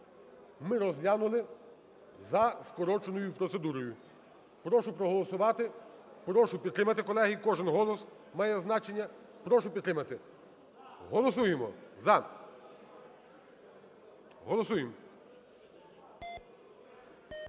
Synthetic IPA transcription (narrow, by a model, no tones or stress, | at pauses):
mɪɾɔzʲlʲanʊlˠɪ | zɐskɔɾɔt͡ʃonɔjʊpɾɔt̪se̞d̪uɾɔjʊ | pɾɔʃʊpɾɔɦɔlˠɔsʊʋɑt̪ɪpɾɔʃʊpʲid̪t̪ɾɪmɐt̪ɪkɔlˠɛɦikɔʒɪnɦɔlˠɔs | mɑjɛznɑt͡ʃenʲːɐ | pɾɔʃʊpʲd̪t̪ɾɪmɐt̪ɪ | ɦɔlˠɔsujemɔzɐ | ɦɔlˠɔsujem